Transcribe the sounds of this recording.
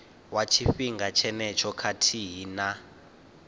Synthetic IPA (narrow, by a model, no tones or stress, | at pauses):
wat͡ʃʰifiŋɡat͡ʃʰɛnɛt͡ʃʰɔkʰatʰiɦina